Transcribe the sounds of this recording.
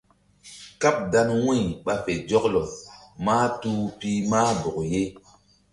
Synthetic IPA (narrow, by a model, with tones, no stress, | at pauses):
ka˦p̚da˧nwĩ˦˨ɓa˨fe˨d͡ʒɔ˦klo˨maː˦tu˦pi˦maː˦bu˨kje˦